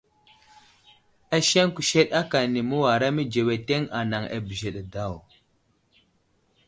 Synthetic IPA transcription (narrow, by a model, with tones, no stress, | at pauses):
a˦ʃe˦ŋku˨ʃe˦ɗa˦ka˨ni˨mu˦wa˨ɾa˦mi˦d͡ʒe˨we˨te˦ŋa˨na˨ŋa̰˨bi˨ʒe˨ɗa˨da˦˨w